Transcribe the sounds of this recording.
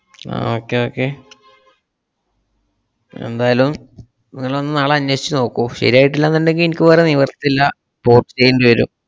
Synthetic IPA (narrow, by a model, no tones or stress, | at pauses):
a̰ːoːkːeo̞ːkːe̞ | ḛnd̪aːjɐlum | niŋːɐɭʋɐnːɨnaːɭeɐnːoːsi̥t͡ɕːɨno̞ːkːuɕɐ̰ɾijaːjiʈːilːanːuɳɖe̞ŋɡilenikʲːɨpɐreniʋɐrt̪ːilːɐ | po̞ːrʈːɨ̥t͡ɕejinɖɨʋɐɾṵm